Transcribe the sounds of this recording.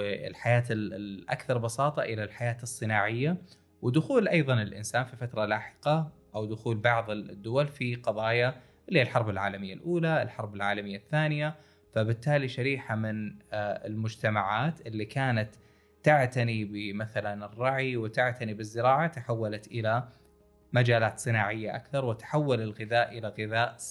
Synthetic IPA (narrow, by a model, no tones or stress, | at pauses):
ɪ̰lħajaːt̪ʔa̰kθɑɾˤbɑsɑːt̪ˤɑʔɪlalħajaːt̪ɨsˤːɨnaːʕɪjːa | wɪd̪ʊxuːlʔɑjðˤɑnɪlʔɪ̰nsaːnfifat̪ɾˤɑlaːħɪ̥qɑʔawd̪ʊxuːlbɑʕðˤɪd̪ːʊwalfiqɑðˤɑːja | ʔlːilħɑɾˤbɪlʕa̰ːlamɪjːalʔuːlaɪlħɑɾˤbɪlʕaːlamɪjːaθːaːnɪja | fabɪt̪ːaːliʃaɾiːħamɪnɪ̰lmʊd͡ʒt̪amaʕaːt̪ʔɪlːikaːnat̪ː | aʕt̪anibɪmaθalanɪrˤːɑʕiwɪt̪aʕt̪anibɪzːɪɾɑːʕat̪aħawːalat̪ʔɪla | mad͡ʒaːlaːt̪sˤɨnaːʕɪjːaʔakθɑɾˤwɪt̪ḁħawːalɪlɣɪðaːʔʔɪlaɣɪðaːʔ